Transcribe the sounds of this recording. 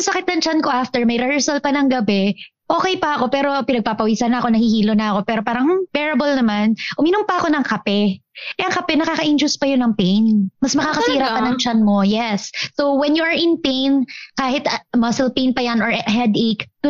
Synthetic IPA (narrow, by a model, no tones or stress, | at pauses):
sɐsɐkɪt̪̚nɐŋt͡ʃanko̞ʔaft̪ɛɹmɐjɾɛhɛɹsɐlpɐnɐŋɡɐbɛ | ʔo̞ːkɛjpɐɐko̞pɛːɾo̞pɪnɐɡ̚paːpɐwiːsɐnɐɐko̞nɐhihiːlonɐʔɐko̞pɛːɾo̞paːɾɐŋ̩bɛɹɐbolnɐmanʔʊmiːnʊmpɐɐko̞nɐŋkɐpɛʔɛʔɐŋkɐpɛnɐkaːkɐʔɪnd͡ʒʊspɐjonɐŋpejnmɐsmɐkaːkɐsiːɾɐpɐnɐŋt͡ʃanmo̞jɛsːowwɛnjuɐɹʔɪnpejnkaːhɪt̪mɐsɛlpẽjnpɐjɐnoɹɦɛd̪ek